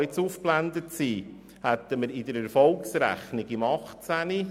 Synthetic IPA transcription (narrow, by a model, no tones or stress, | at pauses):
ɪt͡sufplænd̪ətsiː | hɛt̪ːəməɾɪdəɾɛɾfɔlksɾæ̰χnɪɡɪmɑχtt͡sæni